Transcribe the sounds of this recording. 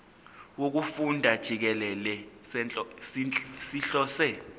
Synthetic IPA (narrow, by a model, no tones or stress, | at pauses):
wok̬ufundʱad̥ʒ̥ʱik̬ɛlɛlɛ | siɬɔːsɛ